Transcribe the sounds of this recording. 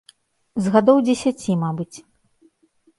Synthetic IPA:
zɣad̪ɔwd͡zʲɛsʲat͡sʲimabɨt͡sʲ

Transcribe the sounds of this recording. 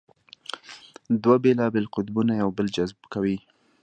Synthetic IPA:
d̪wabelɑbɪlqʊd̪bunajawbəld͡ʒazbkawi

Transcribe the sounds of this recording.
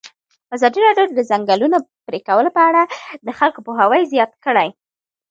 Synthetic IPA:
azɑd̪iɾɑɖjod̪əzaŋɡalunopɾekawəlopəaɽad̪əxalkopoɦawəjzjɑt̪kəɽaj

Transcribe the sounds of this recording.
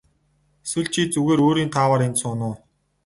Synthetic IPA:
eswɘ̆ɮt͡ɕʰiːt͡suɣeːɾoːɾiːnt̪ʰaːwaːɾensʊːnʊː

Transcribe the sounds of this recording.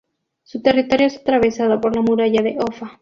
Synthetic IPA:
sut̪erit̪o̞ɾjoesat̪ɾaβesaðopoɾlamuɾaʝaðeʔofa

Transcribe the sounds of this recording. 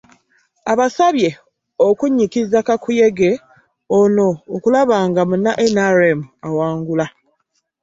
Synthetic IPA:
aβasaβje̞ | okuɲːikizakakuje̞ɡe̞ | ono̞ːkulaβaːŋɡamunːaʔenaɾemuawaːŋɡula

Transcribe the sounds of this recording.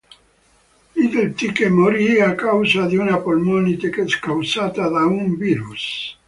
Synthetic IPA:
id̪elt̪ikemoɾiakawsad̪iunapolmonit̪ekeskawsat̪ad̪auɱbiɾus

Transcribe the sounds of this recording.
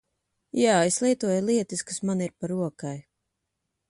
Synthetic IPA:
jaːeslˠijt̪uɔjlˠiɛt̪ɨskasmaniɾpaɾuɔkaj

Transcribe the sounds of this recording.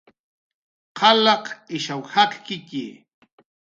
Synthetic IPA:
qʰɑlɑqɪʃawhaqkɪkɪ

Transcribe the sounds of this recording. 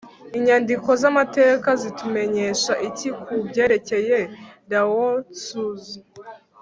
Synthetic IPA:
iɲandiko̞zamate̞ːkazitume̞ɲe̞ʃaʔicikʰubɟeːɾe̞ce̞jeɾawosuzi

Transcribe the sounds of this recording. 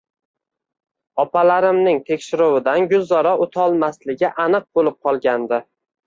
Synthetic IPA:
ɒpʰalaɾɪmnɪŋt̪ʰe̞kʲʃɪɾʊwɪd̪anɡʊlːɒɾaʔot̪ʰɒlˠmaslɪɡʲɪʔanɨq̚bolɪp̚qʰɒlˠɡʲand̪ɪ

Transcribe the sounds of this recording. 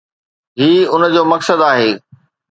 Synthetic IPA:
ɦiːʊnd͡ʑoːmɐksəd̪aːɦeː

